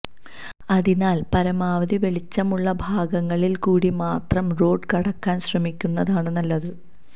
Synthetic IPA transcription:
ɐðinaːlpɐɾɐmaːʋɐðiʋeɭit͡ɕːɐmuɭːɐbʱaːɡɐŋːɐɭilkuːɽimaːt̪rɐmro̞ːɖkɐɽɐkːaːnɕrɐmikʲːunːɐðaːɳɨnɐlːɐðɨ

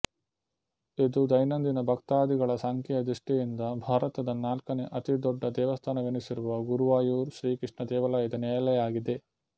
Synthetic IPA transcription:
id̪ud̪ɐjnɐnd̪inɐbʱɐkt̪aːd̪iɡɐɭɐsaːŋkɛjɐd̪ɾiʂʈijind̪ɐbʱaːɾɐt̪ɐd̪ɐnaːlkɐneʔɐt̪id̪ɔɖːɐd̪ɛːʋɐst̪ʰaːnɐʋenisiɾuʋɐɡuɾuʋaːjuːɾʃɾiːkɾiʂɳɐd̪ɛːʋɐlaːjɐd̪ɐnɛːjɐlɛjaːɡid̪e̞

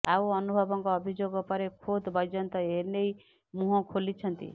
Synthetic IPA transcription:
awɔnubʱɔbɔŋkɔːbʱid͡ʒoɡɔpɔɾekʰod̪bɔjd͡ʒɔnt̪ɔenej | muɦɔkʰolit͡ʃʰɔnt̪ḭ

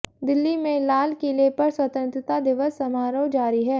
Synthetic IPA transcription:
d̪ɪlːimẽlaːlkeleːpɐɾswɐt̪ə̃nt̪ɾɪt̪ad̪ɪʋəsːɐmaːɾowd͡ʒaːɾiɦɛː

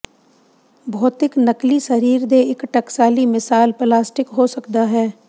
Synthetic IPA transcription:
bʱɔːt̪ɪknɐklisɐɾiːɾd̪eɪkʈɐksaːlimɪsaːlplaːsʈɪkɦosɐkd̪aɦɛː

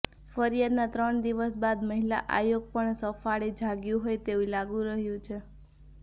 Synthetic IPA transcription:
fəɾijad̪nat̪ɾəɳd̪iʋəsbad̪məɦilaʔa̰joɡ̚pəɳsəfaɭid͡ʒʱaɡjũɦojt̪eʋulaɡũɾəɦjũt͡ʃʰe

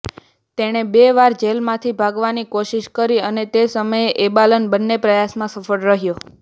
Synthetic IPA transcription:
t̪eɽ̃ebeʋaɾd͡ʒelmãt̪ʰibʱaɡʋanikoʃiʃkəɾiənet̪esəməjeʔebalənbənːepɾəjasmãsəfəɽɾəɦjo

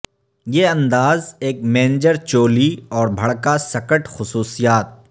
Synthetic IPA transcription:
jeːɐ̃nd̪aːzeːk̚mẽːnd͡ʒəɾt͡ʃoːliɔːɾbʱɐɽkasɐkəʈxʊsuːsijaːt̪̚

